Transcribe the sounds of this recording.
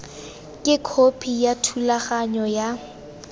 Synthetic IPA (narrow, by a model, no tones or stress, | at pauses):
kʼɪkʰopʰijatʰulaχaɲɔja